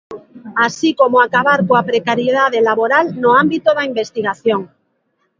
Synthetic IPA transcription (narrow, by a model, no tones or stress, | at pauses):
asikomoakaβaɾkoapɾekaɾjeðaðelaβoɾalnoambit̪oðaimbest̪iɣ̞aθjoŋ